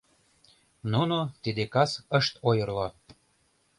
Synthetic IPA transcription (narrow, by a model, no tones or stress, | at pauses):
nunot̪id̪ekɑsəʃt̪ojərlo